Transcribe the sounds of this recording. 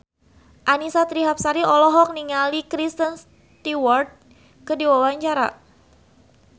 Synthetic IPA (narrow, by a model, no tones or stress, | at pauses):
ʔanisat̪ɾiɦap̚saɾiɔlɔɦɔk̚niŋalikɾist̪əns | t̪iwɔrt̪̚ | kədiwawaɲt͡ʃaɾa̰